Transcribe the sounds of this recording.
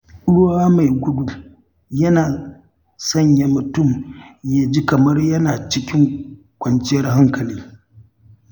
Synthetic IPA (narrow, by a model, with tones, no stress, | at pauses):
ʔʊ˦ɽwaː˦ma˨jɡʷʊ˦dʊ˨l | jɐ˦naː˨ | sɐ˦˨ɲja˨mʊ˨tʊ˦˨mja˦d͡ʒi˦kɐ˨mɐ˦rjɐ˦naː˨t͡ʃɪ˦kʲɪ˦ŋ | kʷɐ˨nt͡ʃɪ˦jɐ˦rɦa˦ŋkɐ˨liː˦